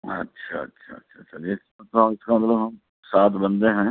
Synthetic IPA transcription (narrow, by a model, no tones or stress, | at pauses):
ɐ̰tːʃʰa̰ɐ̰tːʃʰa̰ɐ̰tːʃʰaɐtːʃʰad͡ʒest̪oɪskamɐt̪ləbɦɐm | saːt̪ʰbɐ̃nd̪ẽɦɛ̃ː